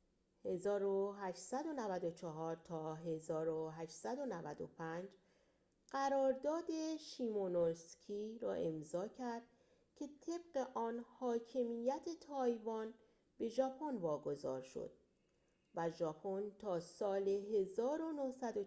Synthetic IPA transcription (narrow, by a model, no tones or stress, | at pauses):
he̞zɒːɾoɦæʃsæd̪o̞nævæd̪ot͡ʃʰɒɦɒːɾt̪ʰɒːɦe̞zɒːɾoɦæʃsæd̪o̞nævæd̪o̰pʰænd͡ʒ | ɢ̥æɾɒːɾd̪ɒːd̪e̞ʃiːmonoɾscʲʰiɾɒ̰ːʔe̞mzɒːcʰæɾd̪̥̚ | cʰe̞t̪ʰe̞b̥̚ɢe̞ʔɒːnhɒːcʰe̞mijæt̪ʰe̞t̪ʰɒːjvɒn | b̥e̞ʒɒːpʰonvɒːɡo̞zɒ̰ːɾʃo̰d̪̥̚ | væʒɒːpʰont̪ʰɒːsɒːleɦe̞zɒːɾo̞nohsæd̪o